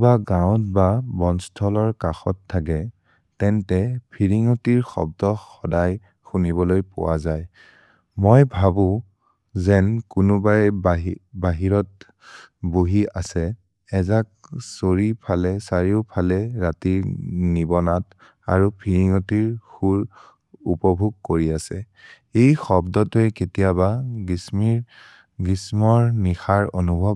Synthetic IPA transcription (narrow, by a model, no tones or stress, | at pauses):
baɡãwt̚babɔnstʰɔlɔɹkaxɔtʰːak̬ɛ | tɛntɛpʰiɹiŋɔtiɹxɔ̰b̚dɔxxɔdaj | xunibɔlojpɔ̰wa̰zaj | mojbʱabʊ̃ | zɛnkunubaj | baɦiɹɔt̚ | boɦiasɛ | ɛzak̚soɹipʰalɛsaɹiʊpʰalɛɹatiɹnibɔnat | aɹupʰiɹiŋɔtiɹxuɹ | upɔbʱuɡ̚koɹiasɛ | ejxɔbdɔtɛketijaβaɡismiɹ | ɡismɔɹnixaɹonubʱɔ